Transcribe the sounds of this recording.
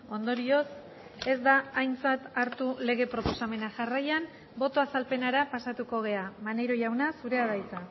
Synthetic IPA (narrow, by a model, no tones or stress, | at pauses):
o̞nd̪o̞ɾio̞s | e̞zd̪aːjnt͡sat̪aɾt̪ule̞ɣ̞e̞pɾo̞po̞same̞naʝarajan | bo̞t̪o̞asalpe̞naɾapasat̪uko̞ɣ̞e̞amane̞ɾo̞ʝawnasuɾe̞aðajt͡sa